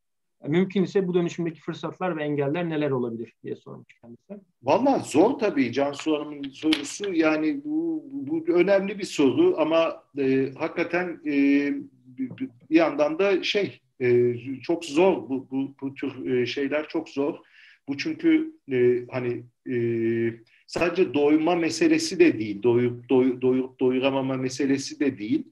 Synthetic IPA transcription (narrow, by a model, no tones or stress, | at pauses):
amymcʰynisɛbud̪ø̞nyʃymd̪ecʰi̥fɯɾsat̪ʰlˠaɾvɛɛɲɟælʲːæɾne̞lʲæɾo̞lˠabilʲiɾ̥d̪ijɛ̰soɾmuʃt͡ʃcʲʰɛnd̪isɛm | valˠːaːzoɾt̪ʰabiːd͡ʒansuanɯmɯnso̞ɾusujaːnɪbubuø̞næmlʲibiso̞ɾuʔamaɛːhakːat̪ʰænɛː | bijand̪and̪aʃe̞j | ɛːt͡ʃʰo̞kzo̞ɾbububut̪ʰyɾɯʃe̞jlʲæɾt͡ʃʰo̞kzo̞ɾ̥ | b̥ut͡ʃʰyɲcʰyː | hanɪ | ɛː | saːd̪e̞d͡ʒɛd̪o̞jmamese̞lʲe̞sid̪ɛd̪ejilʲd̪ojup̚d̪ojud̪ojuɾud̪o̞juɾamamamese̞lʲe̞sid̪ɛd̪ejilʲ